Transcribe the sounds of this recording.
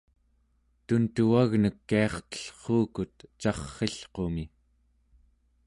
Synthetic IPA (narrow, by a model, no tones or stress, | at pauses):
t̪unt̪uaɣnəkːeɑχt̪ə̥ɬχuːkut̪t͡ʃɑχːeɬqo̞mi